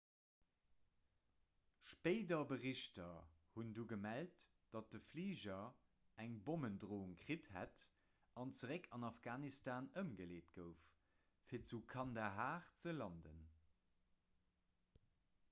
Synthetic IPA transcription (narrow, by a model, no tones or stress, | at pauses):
ʃpeɪdɐbəʁiɕtɐhunduːɡəmælt | d̥ɑt̚d̥əfliːʑɐ | æŋboməndʁoːŋkʁithæ̰t | ɑnt͡səʁɛkʰɑnɑfɡ̥aːnistaːnəmɡəleːtɡ̥əʊf | fiːɐt͡sukʰɑndɐɦaːχt͡səlɑndə̰n